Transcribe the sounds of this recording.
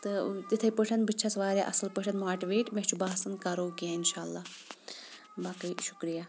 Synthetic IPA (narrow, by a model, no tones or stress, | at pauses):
t̪ɨt̪it̪ʰɐjpəʈʰɐnbɨt͡ʃʰɐsʋaːɾʲaʔɐslpəʈʰɐnmaːʈiʋeːʈmet͡ʃʰubaːsɐnkɐɾoːkijãːinʃaːlːaː | bɐkɐjʃu̥kɾijaː